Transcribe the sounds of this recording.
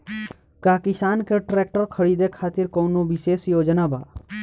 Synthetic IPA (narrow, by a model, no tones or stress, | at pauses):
kaːkɪsaːnkeʈɾeːk̚ʈəɾkʰəɽiːd̪ekʰaːt̪ɪɾkoːnoʋɪʃeːsjoːd͡ʒənaba̰ː